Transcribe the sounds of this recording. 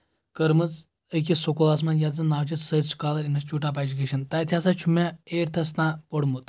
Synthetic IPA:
kəɾmɨt͡s | ək̬ʲisokolaːs̬mɐnjad͡zɨnaːʋt͡ʃisət͡st͡ʃkaːlɐɾinɐst͡ʃuːʈap̬aːd͡ʒukʲeʃɐnt̪ɐːjt̪ʲʰjasat͡ʃʰumaeːɾt̪ʰɐs̬nãːpoɽmut̪

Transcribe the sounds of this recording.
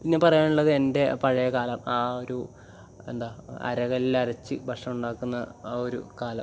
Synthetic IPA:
pinːepɐrɐjaːnuɭːɐðɨe̞nde̞pɐɻɐjɐkaːlɐmaːo̞ɾu | e̞nd̪aːɐ̰ɾɐɣɐlilɐɾɐt͡ɕːɨʋɐʂɐmuɳɖaːkːunːɐo̞ɾṵkaːlɐm

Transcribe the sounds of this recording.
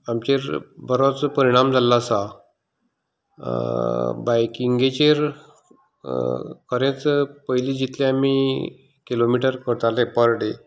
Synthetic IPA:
amt͡ɕeɾbəɾot͡spəɾiɽ̃amd͡zʱalːasa | bajkiŋɡet͡ɕeɾ | kʰəɾẽt͡spəjliːd͡ʑit̪ʰleami | kilomiʈəɾkəɾt̪alepəɾɽe

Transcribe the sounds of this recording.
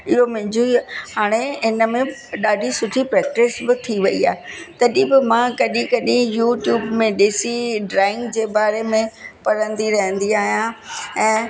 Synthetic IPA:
ɪɦomɪ̃ɲd͡ʑuihaːɽ̃eɪnə̆mẽɗaːɖʱisʊʈʰipɾɛːk̚ʈɪsbɪt̪ʰiʋɐia̰ːet̪ɐɗĩbɪmãkɐɗĩkɐɗĩjuːʈjuːbmẽɗɪsiɖɾaːɪ̃ŋɡd͡ʑeːbaːɾemẽpɐɾə̃nd̪iɾɐɦə̃nd̪iaːɦijãɛ̃ː

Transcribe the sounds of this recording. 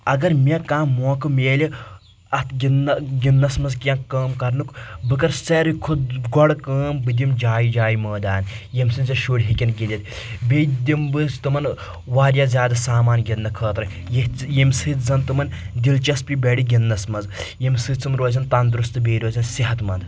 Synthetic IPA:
ɐɡɐɾmʲekãːmoːkɨmeːlʲi | ɐt̪ɡʲinɡʲinːɐsmɐzkjɐnkɐːmkɐɾnukbɨkɐɾsɐɾɨkʰuɡɔɽkəːmbɨd̪ʲimd͡ʒaːjid͡ʒaːiməːd̪aːnjimsɨnzɐʃuːɽʲɦikʲɐnɡʲilʲɐt̪ | bʲed̪ʲimbɨzt̪ɨmɐn | ʋaːɾʲjazʲjaːd̪ɐsaːmaːnɡʲɐnːɐkʰəːt̪ɾɐ | jijimsɨt̪zɐnt̪ɨmɐn | d̪ʲilt͡ʃɐspʲibʲeɽiɡʲinːɐsmɐzjimsɨːt͡sɨmɾoːzɐnt̪ɐnd̪ɾust̪ɨbeːɾoːzɐnsiɦɐt̪mɐnd̪

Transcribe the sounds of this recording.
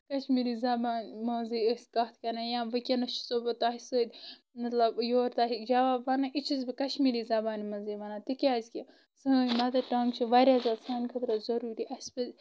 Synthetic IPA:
kɐʃmiːɾizɐbaːnmɐziəskɐt̪ʰkɐnajãːʋɐkʲɐnɐt͡ʃʰi̥sobɐt̪aɦisəːd̪ʲ | mɐt̪lɐbjoːɾt̪aːɦikd͡ʒɐʋaːbʋanɐʔit͡ʃʰizbikɐʃmiɾiːzɐbaːnimɐziʋɐnaːt̪ikʲaːzkʲi | səːimɐt̪ɐʈaŋt͡ʃʰiʋaɾʲjaːzaːsaːnkʰɐt̪ɾɐzɐɾuːɾiʔɐsbɐ

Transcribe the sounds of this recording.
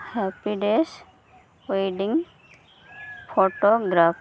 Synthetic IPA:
hɛpiɖes | weɖiŋ | pʰoʈoɡɾap

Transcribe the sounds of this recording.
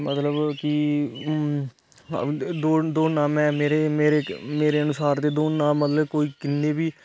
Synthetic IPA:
mət̪ləbkɪ | d̪oːd̪oːnãːmɛ̃ːmeːɾeːmeːɾeːmeːɾeːənʊsaːɾd̪eːd̪oːnãːmət̪ləbkoːiːkɪnːeːbiː

